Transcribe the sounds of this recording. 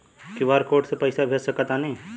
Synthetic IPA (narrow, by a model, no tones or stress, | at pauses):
kiʋaːɾkoːʈsepɐɪsabʱeːd͡ʒsɐkat̪anɐɦĩ